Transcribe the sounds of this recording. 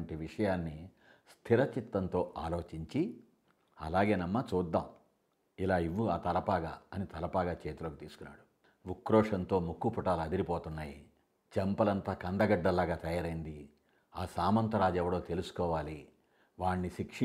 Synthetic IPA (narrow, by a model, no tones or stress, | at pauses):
ɳʈiʋiʂɐjaːnːi | st̪ʰiɾɐt͡ʃit̪ːɐnt̪o̞ːʔa̰ːlo̞ːt͡ʃiɲt͡ʃi | ɐ̰laːɡe̞ːnɐmːɐt͡ʃuːd̪ːaːm | ilaːiʋːuaːt̪ɐlɐpaːɡa̰ːɐnit̪ɐlɐpaːɡaːt͡ʃeːt̪ulɐkut̪iːsu̥kunːa̰ːɽu | ʋukːɾɔːʂɐnt̪o̞ːmukːupuʈaːluɐd̪iɾipoːt̪unːaːji | t͡ʃɛmpɐlɐnt̪aːkɐnd̪ɐɡɐɖːɐlːaːɡaːt̪ɐjaːɾɐjind̪i | aːsaːmɐnt̪ɐɾaːd͡ʒɛʋːɐɽo̞ːt̪e̞lusu̥kɔːʋaːli | ʋaːɳːiʃikʂ